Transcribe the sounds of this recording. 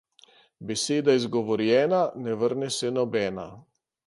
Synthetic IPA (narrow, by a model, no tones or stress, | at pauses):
bɛseːd̪aizɡɔʋɔɾjɛːnanɛʋəɾnɛsɛnɔbɛːna̰